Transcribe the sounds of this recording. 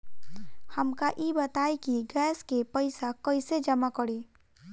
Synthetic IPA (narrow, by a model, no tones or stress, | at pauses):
həmkaʔibət̪aekiɡɛːskepəɪsakəɪsed͡ʒəmakəɽiː